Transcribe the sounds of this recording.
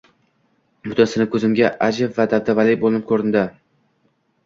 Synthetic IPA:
bʊt̪ʰansɪnɪkʲʰɵzɪmɡʲaʔad͡ʒɪbvad̪abd̪avalɪjbolɪnɪp̚kʰɵɾɪnd̪ɪ

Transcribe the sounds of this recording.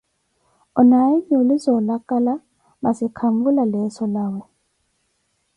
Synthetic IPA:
ɔnaiɲiulizɔlakʼala | masikʰambulalɛsɔlaːwɛ

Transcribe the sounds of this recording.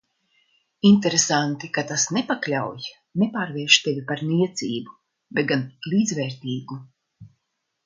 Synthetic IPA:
int̪eɾesant̪ikat̪asnepaklʲawj | nepaːɾviɛʃt̪evʲipaɾniɛt̪siːbu | bet̪̚ɡanlʲiːd̪zvɛːɾt̪iːɡu

